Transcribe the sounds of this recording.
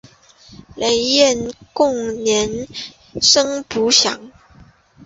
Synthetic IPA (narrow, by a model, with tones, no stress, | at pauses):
le˧˥ɪjɛ˥˩˨nkʊ˥˩ŋnjɛ˧˥n | ʂɤ˥ŋpu˧˥ɕjɑ̰˧˥ŋ